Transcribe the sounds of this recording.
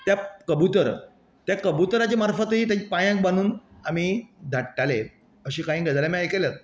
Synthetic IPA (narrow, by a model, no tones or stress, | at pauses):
t̪jakəbut̪əɾ | t̪jakəbut̪əɾat͡ɕemaɾfət̪ɦiːt̪̬jat͡ɕipãjãk̚bañuːnamiːd̪ʱaʈʈale | əɕiːkaĩɡʱəd͡z̪alamaekeljət̪̚